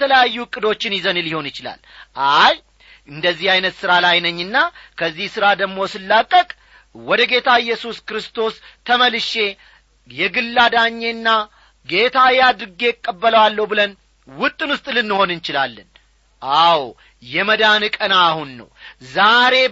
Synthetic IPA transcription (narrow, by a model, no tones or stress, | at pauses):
t̪ʰələjajːuɨkʼːɨd̪o̞t͡ʃːɪnjɪzənɨlɪho̞nɪt͡ʃɪla̰lʔaj | ɨnd̪əzːihajnət̪sɨɾalajnəɲːɨnːakʰəzːihsɨɾad̪əɡmo̞sɨlːakʼːəkʼ | wɔd̪əɡe̞t̪ʰaɪjːɛsuskɨɾɨst̪o̞st̪ʰəməlɨʃe̞ | jɛɡɨlːad̪aɲːe̞nːa | ɡe̞t̪ʰajad̪ɾɨɡe̞kʼːəbːələwalːəubɨlən | wʊt̪ʼːɨnwʊst̪ʼlɨnːɨho̞nɨnt͡ʃɪlalːən | ʔaw | jɛməd̪anɨkʼənaːhunːə̰wzaɾe̞